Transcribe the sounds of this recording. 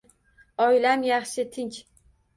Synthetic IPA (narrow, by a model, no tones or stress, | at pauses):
ɒjlamjaχʃɪt̪ʰɪŋkʲ